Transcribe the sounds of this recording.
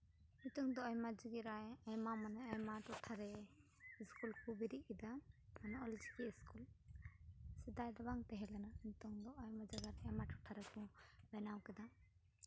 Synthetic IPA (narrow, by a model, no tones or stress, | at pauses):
nit̪ɔŋd̪ɔajmad͡ʒiɡiɾaajmamanaajmaʈɔʈʰaɾɛ | iskulkubiɾiʔ̚kɛd̪amanaɔld͡ʒikiiskul | sɛd̪ajd̪ɔbaŋt̪ɛɦɛlɛnant̪ɔŋd̪ɔʔajmad͡ʒaɡaɾɛmaʈɔʈʰaɾɛkubɛnawkɛd̪a